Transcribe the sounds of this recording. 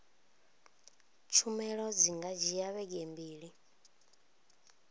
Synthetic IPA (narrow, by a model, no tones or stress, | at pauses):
t͡ʃʰumɛɺɔd͡ziŋɡad͡ʒijaβɛɡembiːɺi